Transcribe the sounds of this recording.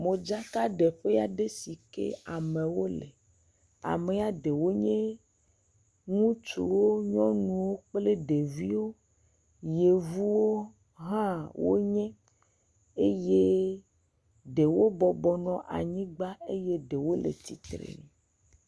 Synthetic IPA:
mõ˨d͡ʒa˦ka˦ɖe˨ɸe˦a˨ɖe˦si˨kḛ˦a˨mẽ˨wo˦lḛ˨ | a̰˨me˨a˨ɖe˨wo˦ɲẽ˦ | ŋũ˦t͡ʃṵ˨wo˦ɲɔ̃˦nũ˨wo˦k͡ple˦ɖe˨vi˦wo˦ | je˨vu˦wo˦ | ɦã˦wo̰˦ɲɛ̃˦ | e˦je˦ | ɖe˨wo˦bɔ˨bɔ˨nɔ̃˦ʔa̰˨ɲĩ˦ɡ͡ba˦e˦je˦ɖe˨wo˦lḛ˨t̪i˦t̪ɾḛ˨nɛ̃˨

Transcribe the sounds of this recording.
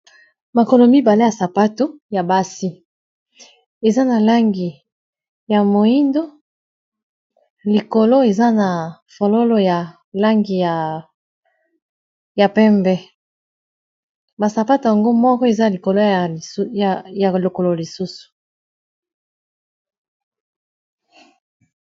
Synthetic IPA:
ma˨ko˨lo˨mi˦ba˨le˦ja˨sa˨pa˦to˦ja˨ba˦si˦ | e˨za˦na˨la˦ŋɡi˨ | ja˨mo˨i˦ndo˦ | li˨ko˨lo˦e˨za˦na˨ | fo˨lo˦lo˦ja˨ | la˦ŋɡi˨ja˨ | ja˨pɛ˦mbɛ˦ | ba˨sa˨pa˦to˨ja˨ŋɡo˦mɔ˦kɔ˦e˨za˦˨li˨ko˨lo˦˨˦ja˨lo˨ko˨lo˨li˨su˦su̥˨

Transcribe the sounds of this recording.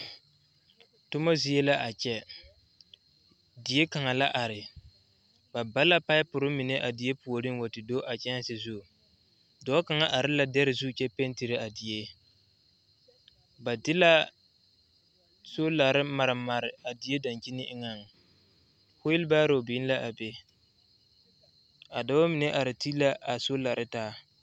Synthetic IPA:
tʊ˦ma˦zi˨e˦la˦ʔa˨t͡ʃɛ˦ | dɪ˨e˦ka˨ŋa˨la˦ʔa˨ɾɪ˨ | ba˨ba˦la˦pa˦ɪ˦pʊ˨ɾɪ˦mi˨ne˦ʔa˨dɪ˨e˦pu˨o˨ɾi˦ŋ˦wa˨tɪ˨do˦ʔa˨t͡ʃɛ˦n˦sɪ˨zʊ˦˨ | dɔː˨˦ka˨ŋa˦ʔa˨ɾɪ˦la˦dɛ˦ɾɪ˨zu˦˨t͡ʃɛ˦pe˦n˦ti˨ɾe˦a˨dɪ˨je˦ | ba˨dɪ˦la˦ | so˦la˨ɾɪ˦ma˨ɾɪ˨ma˨ɾɪ˨a˨dɪ˨e˦da˨nt͡ʃi˦nɪ˦ʔɪ˦ŋa˨ŋ˨ | hʊ˦jɪ˦lbaː˦ɾo˨bɪː˨˦n˦la˦ʔa˨be˦ | a˨da˦wa˦mɪ˨ne˦ʔa˨ɾɪ˨ti˦la˦ʔa˨so˦la˨ɾɪ˦taː˦

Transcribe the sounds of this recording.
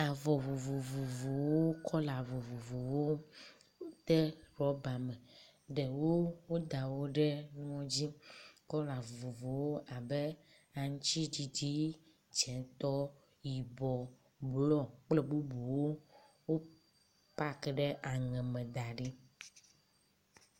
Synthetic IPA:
a˨vɔ˨vo˨vo˨vo˨vo˨wo˦kʰɔ˦la˨vo˨vo˨vo˨wo˦ | t̪ɛ˦ɾɔ˦ba˨mɛ˨ | ɖɛ˨wo˦wo˦d̪a˨wo˦ɖɛ˦nũ˦ɔ̃˦d͡ʑi˦kɔ˦la˨vo˨vo˨vo˨wo˦ʔa˨bɛ˦ | a˨ŋũ˦t͡ʃi˦d͡ʑi˨d͡ʒi˦ | t͡ʃɛ̃˨t̪ɔ˦ | ji˨bɔ˨ | blɔ˦k͡plɛ˦bu˦bu˨wo˦ | wo˦ | pa˦kɖɛ˦ʔa˨ŋɛ̃˨mɛ̃˨d̪a˨ɖi˦

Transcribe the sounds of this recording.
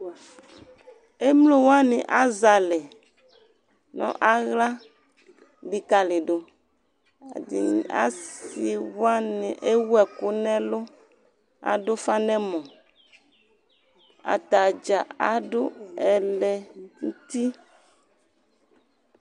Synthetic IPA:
e˦mlo˦wa˦nẽ˨ʔa˦za˨lɛ˨ | nɔ̰̃˦ʔa˦ɣla˦ | li˨ka˨le˨ɖo˨ | dḭ˨a̰˦si˨wa˦nẽ˨ʔe˦wwɛ˨ku˦nɛ̃˦lo˦ | a̰˨ɖo˦fa˦nɛ̃˦mɔ̃˨ | a̰˨t̪a˨d͡ʒa˨a˨ɖo˦ɛ˨lɛ˨ŋu˦t̪i˦

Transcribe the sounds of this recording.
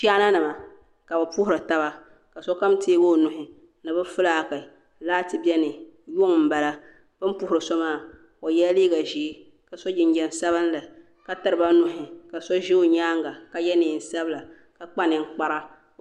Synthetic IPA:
pi˦a˦na˦nɨ˨ma˨ | ka˨ba˨pu˦hʊ˦ɾɨ˨ta˦ba˨ | ka˨sɔ˦ka˦mteː˦ɡo˦˨nʊ˨ɦɪ˦ | nɨ˨bɨ˦fʊ˦laː˦˨ka˨ | laː˦tɨ˨bɛ˦nɨ˨jʊ˦ŋm̩˨ba˨la˦ | b̥ɨ˦m˦pu˦hʊ˨ɾɨ˨sɔ˦maː˦˨ | o˨jɛ˦lliː˦ɡa˨ʒi˨˦ | ka˨sɔ˦d͡ʒɪ˨ɲ˦d͡ʒɛ˨n˦sa˦βɨ˦n˦la˨ | ka˨tɨ˨ɾɨ˨ba˦nʊ˦ɦɪ˨ka˨sɔ˦ʒi˦o˦ɲaː˦ŋɡa˨ka˨jɛ˦nɪː˨n̩˦sa˦bla˨ | ka˨k͡pa˦nɪ˨ŋ˦k͡pa˦ɾa˦

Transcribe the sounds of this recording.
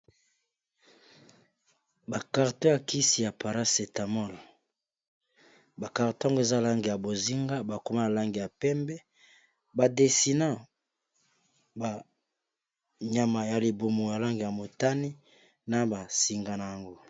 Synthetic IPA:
ba˨ka˨ʁtɔ̃˦ja˨ki˦si˨ja˨pa˨ɾa˦se˨ta˨mɔ˦l | ba˨ka˨ʁtõ˦a˦ŋɡo˦e˨za˦la˦ŋɡi˨ja˨bo˨zi˦ŋɡa˦ba˨ko˨ma˦na˨la˦ŋɡi˨ja˨pɛ˦mbɛ˦ | ba˨de˨si˨na˦ | ba˨ | ɲa˨ma˨ja˨li˨bo˨mo˨ja˨la˦ŋɡi˨ja˨mo˨ta˦ni˦ | na˨ba˨si˨ŋɡa˨na˨ja˨ŋɡo˦

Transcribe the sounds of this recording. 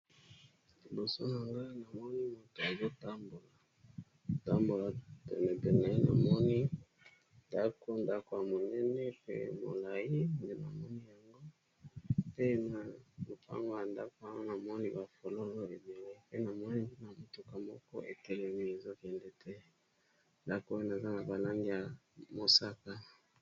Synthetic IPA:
li˨bo˨so˦na˨ŋɡa˦na˨mɔ˦ni˦mo˦to˨a˨zo˦ta˦mbo˨la˨ | ta˦mbo˨la˨tḛ˨ne˨pɛ˨nɛ˨˦na˨mɔ˦ni˦ | nda˦ko˦nda˦ko˨ja˨mo˨nɛ˦nɛ˦pḛ˦mo̰˨la˨ji˦nde˦na˨mɔ˦ni˦ja˨ŋɡo˦ | te˦na˨lo˨pa̰˦ŋɡo˦ja˨nda˦ko˨˦a˨ŋɡo˦na˨mɔ˦ni˦ba˨fo˨lo˦lo˦e˨be˨le˦pe˦na˨mɔ˦ni˦nde˦na˨mo˨tu˦ka˨mɔ˦kɔ̰˦ʔḛ˨tɛ˦lɛ˨mi˦e˨zo˦kɛ˨ndɛ˦tʰɛ˦ | nda˦ko˦na˨za˦na˨ba˨la˦ŋɡi˦ja˨mo˨sa˦ka˦

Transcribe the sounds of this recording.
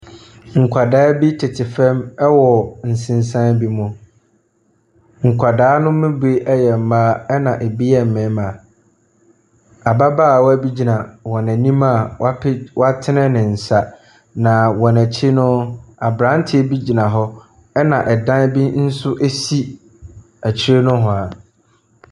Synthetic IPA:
ŋ̩˨kʰʷa˨daː˨˦bi˦tʰɪ˨tʰɪ˨fɛ̃˦mɛ˦wɔ˨n̩˨sɪ̃˨nsã˦nbi˦mʊ̃˨ | ŋ̩˨kʷʰa˨daː˦nʊ̃˦mɪ̃˦bu˨˦e˦ʔɛ˦jɛ˨m̩˨maː˦ɛ˦nã˨ʔe˨bi˦ɛ˦m̩˨mɪ̃˨˦ma˨ | a˨ba˦baː˦˨wɔ˦æ˦bi˦d͡ʑi˨nã˨wɔ̃˨næ̃˨nĩ˦mã˦˨wa˦pɪ˦wa˦tʰɪ˦nɪ̃˦nɪ̃˨n̩˨sa˨ | nã˨wɔ˨næ˨t͡ɕʰi˦nʊ̃˦a˨bɾã˦n˦tʰɪ˦e˦bi˦d͡ʑi˨nã˨ɦɔ˦ | ɛ˦nã˨ʔɛ˨dã˦n˦bi˦n̩˦sʊ˦ʔe˦si˦ | æ˨t͡ɕʰi˦ɾe˦nʊ̃˦ɦɔ̃˨a˨

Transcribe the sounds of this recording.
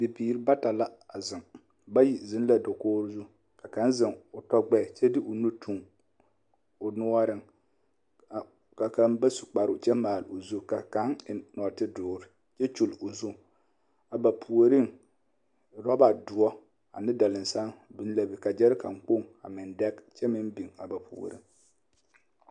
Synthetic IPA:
bi˨biː˨ɾɪ˦ba˦ta˨la˦a˨zɪ˨ŋ | ba˦ji˨zɪ˦n˦la˦do˨koː˦ɾzu˦ | ka˨ka˨˦n˦zɪ˨ŋʊ˨tɔ˦ɡ͡bɛ˦˨t͡ʃɛ˦dɪ˦ʔʊ˨nu˦tu˨ŋ | ʊ˨nʊ˦ɔ˦ɾɪ˦ŋ˨ | ka˨ka˨˦nba˦su̥˨k͡pa˨ɾʊ˦˨t͡ʃɛ˦maː˨lʊ˨zu˦ka˨ka˨˦ŋɪ˨nɔ˨tɪ˦dʊː˨ɾɪ˦ | t͡ʃɛ˦t͡ʃu˨lʊ˨zu˦ | a˨ba˨pʰu˨o˨ɾɪ˦ŋ | ɾɔ˦ba˨dʊ˨ɔ˦ | a̰˨nɪ˦da˨lɪ˨n˨sa˦nbi˦n˦la˨bi˨ka˨d͡ʒɛ˦ɾɪ˦ka̰˨ŋk͡po˦˨ŋa̰˨mɪ˨ndɛ˦kt͡ʃɛ˦mɪ˦mbi˨ŋa̰˨ba˨pʰṵ˨o̰˨ɾḭ˦ŋ

